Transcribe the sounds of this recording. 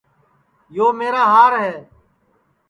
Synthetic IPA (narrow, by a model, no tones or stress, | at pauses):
joːmeːɾaːɦaːɾɦɛː